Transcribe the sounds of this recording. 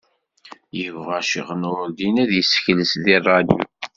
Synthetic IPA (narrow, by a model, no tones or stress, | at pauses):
jəvʁæʃḭʁənʊɾˤd̪inæðjəsːçləsðirˤːɑd̪ḭ